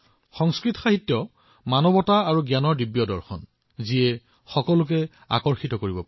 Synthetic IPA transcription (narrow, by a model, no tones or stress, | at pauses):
xɔŋskɹitɔxaɦitjɔ | manɔbɔtaaɹuɡjanɔɹdibjɔdɔɹxʰɔ̰n | ziɛ | xɔkɔlʊk̬ɛ | a̰kɔɹxitɔkoɹibɔp